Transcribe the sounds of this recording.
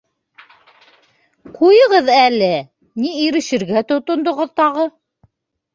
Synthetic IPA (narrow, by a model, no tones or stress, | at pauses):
qujɤ̆ʁɤðælɘ | niiɾɘ̆ʃɘ̆ɾɡæt̪ŏt̪ŏnd̪ŏʁɤðt̪ɑʁɤ